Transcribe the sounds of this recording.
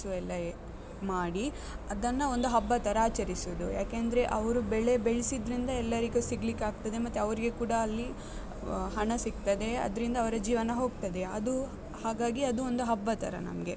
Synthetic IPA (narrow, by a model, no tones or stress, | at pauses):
uɛlːɐ | maːɽi | ɐd̪ɐnːɐo̞nd̪uɦɐbːɐt̪ɐɾɐaːt͡ʃɐɾisuʋd̪uja̰ːkeːnd̪ɐɾe̞ʔɐʋɐɾubɛɭe̞beɭisid̪ɾind̪ɐɛlːɐɾiɡusiɡlikːeaːɡ̚t̪ɐd̪e̞mɐt̪ːeɐʋɐɾiɡekuːɽɐːlːi | ɦɐɳɐsik̚t̪ɐd̪e̞ɐ̰d̪ɐɾind̪ɐʋɐɾɐd͡ʒiːʋɐnɐɦo̞ːɡt̪ɐd̪e̞ɐd̪u | haːɡaːɡiɐd̪uond̪uɦɐbːɐt̪ʰɐɾɐ̰nɐ̰mɡe̞